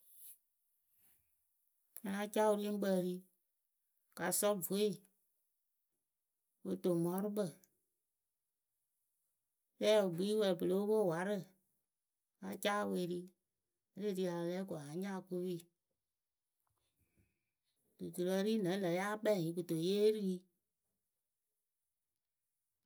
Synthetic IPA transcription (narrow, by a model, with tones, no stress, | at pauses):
ɲã˧ã˦t͡ʃa˦wu˧ɾi˦ŋ̩˦ɡ͡bə˧˨ɾi˦ | ka˨sɔ˦˨vo˨˦e˦ | wo˧to˨mɔ̃˨˦ɾɨ˦ɓə˦˨ | sɛ˦o˨bi˨˦i˦wɛ˨pə˨le˦wo˦bo˦˨wa˨˦ɾɨ˦˨ | a˧t͡ʃaː˦˨we˧˨ɾi˦ | ɾe˦˨ti˧˦a˨˧lɛː˦kɔ˨a˨˦ɲãː˦˨ko˦wi˦˨ | du˨tu˨lɔ˧ɾiː˦nɛ̃˨˦lɛ˨ja˦k͡pɛ˦˨ĩ˨˦k̬u˨to˨jeː˦ɾi˦i˦